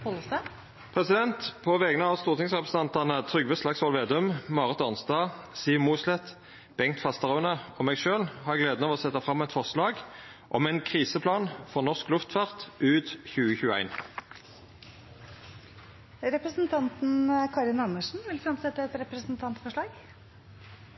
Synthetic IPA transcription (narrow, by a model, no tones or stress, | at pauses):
hɔlsɛ | pʰʁɛsɪd̪ɛnt̪pʰɔʋɛɡənəɑʋst̪uːʁt̪ɪŋsʁɛpʁəsn̩ʰɑnt̪ɑʁnət̪ʰʁʏɡʋəslɑksɔlʋeːd̪ʉmːɑːʁət̪ɑnst̪ɑːsiːmuːslɛt̪ | b̥ɛŋkt̪fɑst̪əʁɑʉnəɔmæɪɡʃøːlhɑːʁɛɡleːd̪nɔʋɔsɛt̪ːɑfʁɑmːɛɪt̪fɔʁʂlɑːɡ | ʔɔmæɪnkʰʁiːsəpʰlɑːnfɔʁnɔʁsklʉft̪fɑʁt̪ʉːt̪çʉːəçʉːəæ̰ɪn | ɾɛpɾəsn̩t̪ʰɑnt̪n̩kʰɑɾɪnɑnəʂn̩ʋɪlfɾɑmsɛt̪ːəɛt̪ɾɛpɾəsnt̪ʰɑnt̪fɔʂɭɑːɡ